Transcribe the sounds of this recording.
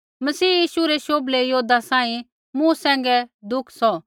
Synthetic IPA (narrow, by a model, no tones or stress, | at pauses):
mɐsiːjiːʃuɾeʃoːblejoːd̪asãːĩ | mũsɛ̃ːŋ̆ɡɛd̪ʊkʰsɔ